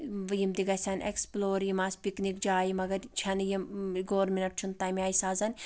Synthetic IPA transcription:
jimd̪iɡɐsʲɐnʲḛksploːɾjimaːsʲpiknikd͡ʒaːjimɐɡɐɾt͡ʃʰɐnjimɡoːɾminɐʈ̚t͡ʃʰunt̪aːjmʲaːjsaːzɐnʲ

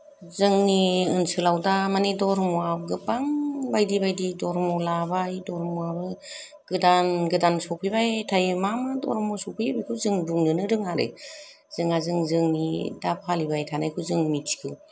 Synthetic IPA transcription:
zɯŋniɯnsɯlawdamanidɔɾmuabɡɯpaŋbajdibajdidɔɾmɔlabajdɔɾmuabɯ | ɡ̥ɯdanɡɯdansɔpʰibajtʰajmamɯdɔ̰ɾmɔsɔpʰibijkʰɯwzɯŋduŋnɯnɯɾɯŋaɾḛ | z̥ɯŋazɯŋzɯŋnidapʰalibajtʰanajkʰuzɯŋmiti̥kʰɯw

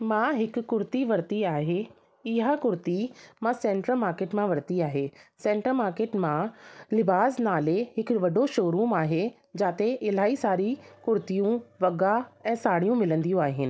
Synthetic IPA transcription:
mãːɦɪkkːʊɾt̪iʋɐɾt̪iaːɦe | ɪɦakʊɾt̪imãsɛ̃ːɳʈɾəlmaːɾkeːʈmãʋɐɾt̪iaːɦeːsɛ̃ːɳʈəlmaːɾkeːʈmãlɪbaːsnaːleɦɪkʋɐɖoʃoːɾuːmaːɦe | d͡ʑaːt̪eʔɪl̤aːisaːɾikʊɾt̪ijũʋɐɡaɛ̃ːsaːɽijũmɪlə̃nd̪ijũaːɦɪnɪ̆

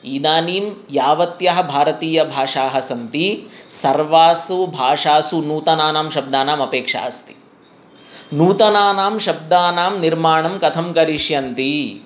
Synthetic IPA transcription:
iːd̪aːniːmjaːʋɐt̪jɐɦɐ̆bʱaːɾɐt̪iːjɐbʱaːʂaːɦɐsɐnt̪isɐɾʋaːsubʱaːʂaːsunuːt̪ɐnaːnaːmʃɐb̚d̪aːnaːmɐpeːkʂa̰ːst̪i̥ | nuːt̪ɐnaːnaːmʃɐb̚d̪aːnaːmniɾmaːɳɐmkɐt̪ʰɐmkɐɾiʂjɐnt̪i

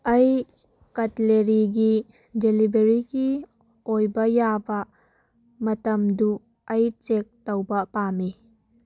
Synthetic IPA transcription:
ʔɐj | kɐtileɾiɡi | delibeɾiki | ojbɐjabɐ | mɐtɐmdu | ɐjt͡ʃek̚tɐwbɐpami

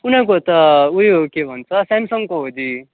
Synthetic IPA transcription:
kunak̬ot̪ʌuiokebʱʌnt͡sʰʌsamsʌŋkoɦod̪i

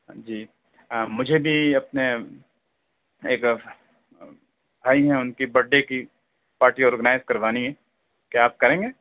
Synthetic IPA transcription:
d͡ʒiː | mʊd͡ʒʱebʱiɐpne | eːk | bʱaːiɦɛ̃ʊnkibɐɖːeki | paːɾʈiɔːɾɡənaːɪzkɐɾʋaːniɦɛː | keaːp̚kɐɾẽːŋɡeː

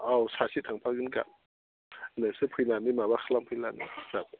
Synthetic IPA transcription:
awsaːsit̪̚ʰaŋpʰak̚ɡɯnka̰ | nasɯpʰujnaːnimaːbakʰalampʰɯjlanḭsap̚

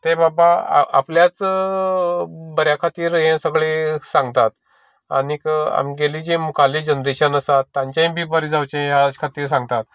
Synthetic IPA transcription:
t̪ebaba̰a̰pljat͡s | bəɾjakʰat̪iːɾɦẽsəɡɭesãŋɡt̪at̪ | a̰nika̰mɡeliːd͡ʑimukʰalid͡ʑənɾiɕanəsat̪ːãɲt͡ɕjaɦĩbʱiːbəɾid͡zawt͡ɕẽjat͡ɕkʰat̪iːɾs̬ãŋɡ̚t̪at̪̚

